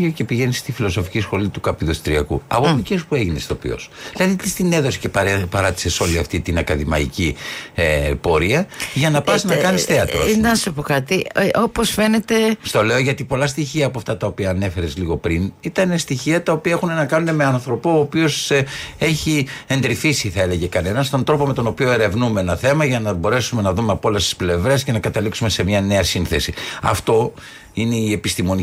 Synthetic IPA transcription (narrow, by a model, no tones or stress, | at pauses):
oce̞piʝe̞nist̪ifilo̞so̞fi̥cisxo̞lit̪ukɐpiðost̪ɾiɐ̰kṵɐ̰popicespue̞ʝine̞st̪o̞̰pḭo̞̰sðilɐðit̪ist̪ine̞ðo̞si̥ceppɐɾɐt̪i̥se̞so̞liɐft̪it̪inɐkɐðimɐ̰ḭciepo̞ɾiɐʝɐnɐpɐsnɐkɐnisθeɐt̪ɾoɐsopokɐt̪io̞posfe̞ne̞t̪est̪o̞le̞o̞ʝɐt̪ipo̞lɐst̪içiɐːpoɐft̪ɐt̪ɐo̞piɐːne̞fe̞ɾe̞zliɣo̞pɾinit̪ɐne̞st̪içiɐt̪ɐo̞piɐexune̞nɐkɐnune̞meɐnθɾo̞pooːpio̞se̞çie̞nd̪ɾifisiθɐe̞le̞ʝe̞kɐne̞nɐst̪o̞nt̪ɾo̞po̞me̞t̪o̞no̞pio̞e̞ɾe̞vnumeenɐθe̞mɐʝɐnɐbo̞ɾe̞sume̞nɐðume̞ɐpoo̞lest̪i̥sple̞vɾe̞sce̞nɐkɐt̪ɐliksume̞se̞mɲɐne̞ɐsinθesiɐ̰ft̪o̞ | ine̞ie̞pist̪imo̞ni